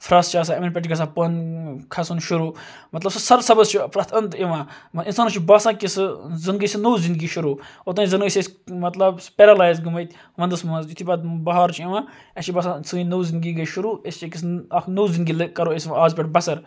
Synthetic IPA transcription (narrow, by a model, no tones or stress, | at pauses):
fɾaːst͡ʃaːs̬aːeminp̬ʲeʈɡɐs̬aːpɐnkʰɐsunʃuɾuː | mɐt̪lɐbsɨsɐɾsɐbɐzt͡ʃʰipɾɐt̪ʰɐnt̪iʋãːinsaːnɐt͡ʃʰibaːsãːkisɨzinɡisinoːzĩnd̪ɡiːʃuɾoːot̪̬ɐ̃nizinɡəsʲesmɐt̪lɐbspʲeɾɐlaːjzɡumɐjt̪ʲ | ʋɐnd̪ɨsmɐzit̪ʰiːbɐd̪bɐɦaːɾt͡ʃʰiʋãː | ɐt͡ʃʰibɐsãsɨinoːzind̪ɡiːɡɐjʃuɾuːest͡ʃekis̬noːzind̪ɡiːlkɐɾoːesaːzpʲeʈbɐsɐɾ